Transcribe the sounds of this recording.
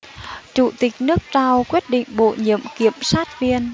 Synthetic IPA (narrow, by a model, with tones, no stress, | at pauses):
t͡ɕu˧˩t̪ï˨˩k̟̚nɨ˦˥ək̚t͡ɕaː˧wkwi˦˥ət̚ɗḭ̈˧˨ŋ̟ɓo̰˧˨ɲḭ˧˨əmki˧˩˨əmsaː˦˥t̚vi˧ən